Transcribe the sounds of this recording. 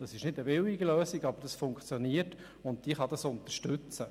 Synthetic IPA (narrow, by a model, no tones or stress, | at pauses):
d̥ɑsɪʃnɪdəbɪwiɡəløːsiɡɑbəɾd̥ɑsfʊŋkt͡sjoniəɾt | ʊnt̚d̥iːχɑdɑsʊnt̪əɾʃtʉt͡sə